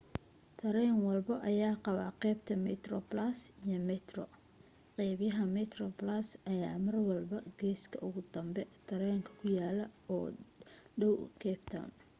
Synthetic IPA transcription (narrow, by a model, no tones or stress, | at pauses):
t̪ʰɐɾɛːŋwɑlbɐʔɐjaːqɑβa̰ːqɛːbt̪ʰɐmɛt̪rɔblasijɔmɛt̪rɔ̰ | qɛːβjɐɦɐmɛt̪rɔblasʔɐjaːmɐrwɑlbɐɡɛːskʰɐʔʊɣʊd̪ɐmbɛt̪ʰɐɾɛːŋkʰɐ̥kʰʊjaːlɐɔːɖɐwkʰɛːbt̪ʰɔ̰n